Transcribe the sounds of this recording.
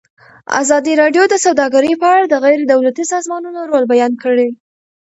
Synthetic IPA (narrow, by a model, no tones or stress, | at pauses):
a̰zɑd̪iɾɑɖjod̪əsawd̪ɑɡaɾəjpəaɽad̪əɣajɾed̪awlat̪isɑzmɑnunoɾolbajɑnkəɽe